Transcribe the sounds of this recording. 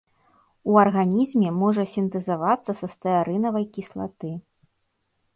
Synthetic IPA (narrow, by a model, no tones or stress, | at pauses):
uɐrɣanʲizmʲɛmɔʐɐsʲint̪ɛzavat̪sːɐsɐst̪ɐaɾɨnɐvɐjkʲislˠa̰t̪ɨ